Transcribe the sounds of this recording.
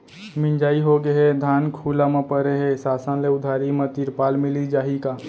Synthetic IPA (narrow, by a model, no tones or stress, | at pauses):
mɪ̃nd͡ʒaːiɦoɡəɦɛd̪ʱaːnkʰulamẽpəɾeɦesaːsãnleʊd̪ʱaːɾimẽt̪iɾpaːlmɪlid͡ʒaːɦikaː